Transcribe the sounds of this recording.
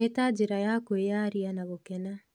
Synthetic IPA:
etad͡ʑeɾajakoejaɾianaβokɛna

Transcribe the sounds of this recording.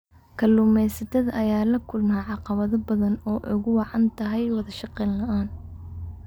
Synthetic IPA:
kʰɐluːmɛjsɐt̪ʰɐðɐʔɐjaːlɐkʰʊlmaːʕɑqɑβɐðɐbɐðɐnɔːʔʊɣʊwɑʕɑnt̪ʰɐɦɛjwɑðɐʃɑqɛːllɐʔaːn

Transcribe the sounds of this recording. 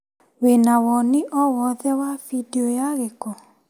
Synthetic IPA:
wenawɔnɪʔɔwɔðɛwavideojaɣekɔ

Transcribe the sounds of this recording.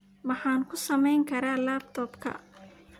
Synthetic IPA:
mɑħɑːŋkʰʊsɐmɛjŋkʰɐɾaːlaːb̚t̪ʰɔːbkʰɐ̰

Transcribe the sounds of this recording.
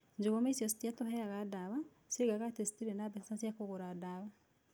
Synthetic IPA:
ɲd͡ʒoɣomaisjɔsi̥tjatohɛaɣadaβa | sieɡaɣatesi̥tiɾenabɛssasjakoɣoɾadaβa

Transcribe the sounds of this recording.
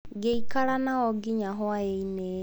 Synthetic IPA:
ɡeikaɾanaɔɡiɲaɦwaeine

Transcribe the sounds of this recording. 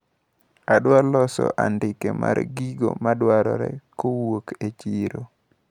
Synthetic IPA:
adwalɔsɔ̰ʔandɪkemarɡiɡomadwaɾɔɾɛkowoket͡ʃiɾo

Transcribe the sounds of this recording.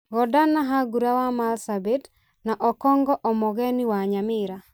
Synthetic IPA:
ɡɔdanaɦaɡuɾawamalsabet | naʔɔkɔŋɡɔʔɔmɔɡɛniwaɲamɪɾa

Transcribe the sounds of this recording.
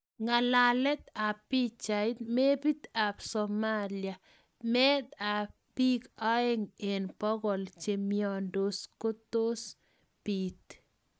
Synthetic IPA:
ŋalalɛt̪apit͡ʃajt̪mebit̪absɔmalja | mɛt̪apikaeŋenpɔɡɔlt͡ʃemjɔndoskot̪os | pit̪

